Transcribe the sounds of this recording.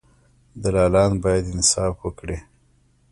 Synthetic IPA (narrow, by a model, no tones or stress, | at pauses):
d̪alɑlɑnbɑjad̪ɪnsɑfwəkɽi